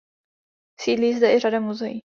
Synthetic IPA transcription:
siːdliːzd̪ɛʔɪradamuzɛjḭ

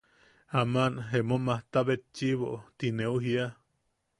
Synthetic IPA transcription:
amanɦemomaht̪aβet̪̚t͡ʃiβoʔt̪ineuɦia

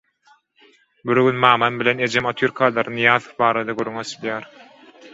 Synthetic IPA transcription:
biɾɡynmɑːmɑnbilʲe̞ne̞d͡ʒemot̪ʰyɾkʰɑːlˠɑɾɯnɯjɑːðbɑːɾɑd̪ɑɡuɾːyŋesilʲjæːɾ

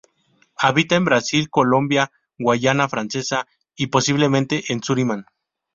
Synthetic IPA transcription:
aβit̪aembɾasilko̞lõ̞mbja | ɡwaʝanafɾanse̞sa | ipo̞siβle̞mẽnt̪e̞ʔensuɾimãn

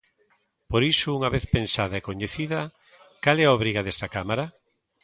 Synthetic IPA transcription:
poɾisʊuŋɐβeθpensað̞ɐekoɲeθiðɐ | kalɛaoβɾiɣaðɛst̪ɐkamaɾɐ

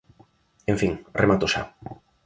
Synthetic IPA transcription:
eɱfiŋremat̪oʃa̰

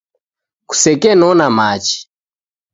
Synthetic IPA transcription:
ku̥sɛkɛnɔnamat͡ʃi̥

